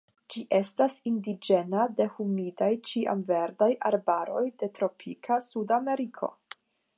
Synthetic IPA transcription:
d͡ʒiʔe̞stasindid͡ʒe̞nade̞humidajt͡ʃiʔa̰mve̞ɾdajʔa̰ɾbaɾo̞jde̞tɾo̞pʰikʰasudame̞ɾikʰo̞̰

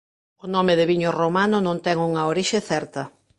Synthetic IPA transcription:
ʊnɔmɪðɪβiɲʊromanʊnõnt̪ɛŋuŋɐoɾiʃeθɛɾt̪ɐ

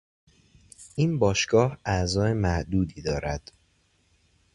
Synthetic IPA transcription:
ʔiːnbɒːʃɡ̥ɒːhæzɒːemæhd̪uːd̪iːd̪ɒːɾæd̪̥

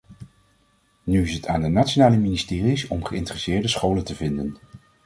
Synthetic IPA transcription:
nyɪsɦətʰaːndənatʃonaːləministɪːrisɔmχəɪ̰ntərəsɪːɹdəsχowləntəvɪndən

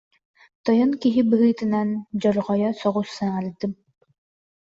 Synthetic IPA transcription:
t̪ɔjɔnkiɦibɯɦɯːt̪ɯnand͡ʑɔɾʁɔjɔsɔʁusːaaɾd̪ɯm

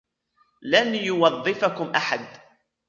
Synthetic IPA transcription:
lanjʊwɑðˤːɨfakʊmʔaħad̪

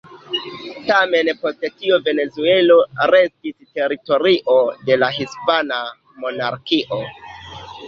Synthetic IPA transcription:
tame̞npo̞ste̞tiove̞ne̞zue̞lo̞ɾe̞stiste̞ɾito̞ɾiʔo̞de̞laɦispana | mo̞naɾkiʔo̞

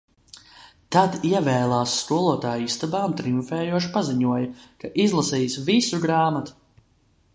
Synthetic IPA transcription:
t̪ad̪iɛvɛːlˠaːsːkuɔlˠuɔt̪aːjist̪abaːmt̪ɾiuɱfɛːjuɔʃpaziɲuɔjɐkaʔizlˠasiːsvisuɡɾaːmat̪u̥

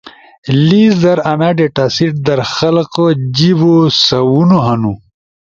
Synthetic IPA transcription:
liːsd̪ɐɾɐnaɖeʈaːsiʈ̚d̪ɐɾxɐlqəd͡ʑiwosɐwunoɦɐnu

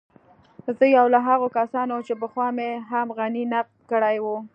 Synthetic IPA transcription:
zəjawlaɦaɣokasɑnot͡ʃep̬əxwɑmeɦamɣaninaq̚d̪̚kəɽajwu

